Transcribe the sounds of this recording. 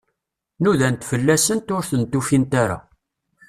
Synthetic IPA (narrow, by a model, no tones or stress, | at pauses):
nuðænt̪fəlːæsənt̪ʊɾθənt̪ːufint̪aɾa̰